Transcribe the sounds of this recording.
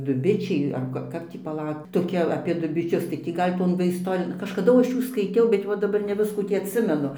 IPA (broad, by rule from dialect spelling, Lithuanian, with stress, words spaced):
dʊˈbʲɪt͡ʃʲɛɪ ɐr ˈkɐ ˈkɐp tʲiː pɐˈlˠɐʊk toːˈkʲɛ ɐpʲeː dʊbʲɪˈt͡ʃʲʊs tɐɪ ˈtʲiː ˈɡɐlʲ ˈtoːn ʋɐ ˈɪstoːrʲɪjoːn kɐʃkɐˈdʊ ˈɐʃ ˈjuː skɐɪˈtʲɛʊ bʲɛt ˈʋɐ dɐˈbɐr nʲɛ ˈʋʲɪskuː ˈtʲiː ɐtʲˈsʲɪmʲɛnʊ